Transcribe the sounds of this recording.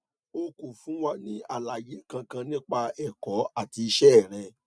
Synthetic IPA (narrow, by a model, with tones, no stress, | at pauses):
o˧ku˨fũ˦wa˦nĩ˦a̰˦˨la˨je˨˦kã˧kã˧nĩ˦k͡pa˧ɛ˦˨kɔ˨˦a˦˨ti˧i˧ʃɛ˦ɛ˦˨ɾ̃ɛ̃˧